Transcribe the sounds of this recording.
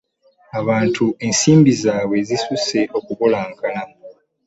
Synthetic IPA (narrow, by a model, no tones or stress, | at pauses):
aβaːntʰue̞ːnsiːmbizaːβwe̞zisuse̞ʔo̞kuβolaːŋkana